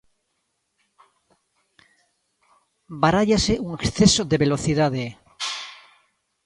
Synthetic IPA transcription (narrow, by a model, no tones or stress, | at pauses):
baɾaʎaseʔuŋeksθesoðeβe̞loθiðaðe